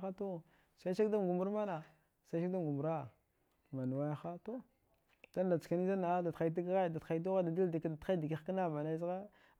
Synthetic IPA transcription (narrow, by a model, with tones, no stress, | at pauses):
a˦to˦ | sa˦i˦ʃa˦kda˦m˨ɡu˨mu˦ɾma˦na˨ | sa˦ʃa˦kda˦m˨ɡu˨mu˨ɾa˦˨ | ma˨nu˨wa˦ja˦xa˦to˦ | d̥a˦n˦da˨t͡ska˨ni˦za˦na˨a˦da˨ta˨˦t̬a˦ɡɣa˦˨da˨txa˨i˦tu˦ɣa˦da˨di˦ldda˨˦a˦di˨ki˨˦xka˦na˦˨ma˨na˦zɣa˦